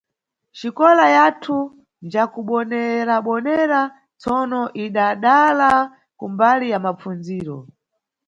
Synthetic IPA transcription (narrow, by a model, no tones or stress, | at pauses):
t͡ʃikɔlajatʰu | nd͡ʒakuɓɔnɛɾaɓɔnɛɾa | t͡sɔnɔʔiɗaɗala | kumbalijamap͡fund͡ziːɾɔ̰